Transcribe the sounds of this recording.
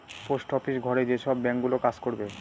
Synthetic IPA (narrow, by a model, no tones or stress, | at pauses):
posʈɔfiʃɡʱɔɾed͡ʑeʃɔbːɛŋkɡulokad͡ʑkoɾbe